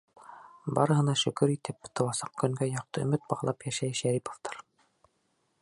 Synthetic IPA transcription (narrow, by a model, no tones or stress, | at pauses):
bɑɾɤ̆ɦɤ̆nɑʃɵ̆kɵɾit̪ɘpt̪ɤ̆wɑsɑ̥q̚kɵ̆ŋɡæjɑq̚t̪ɤɵ̆mɘt̪̚bɑʁlˠɑpjæʃæjʃæɾipŏ̥ft̪ɑɾ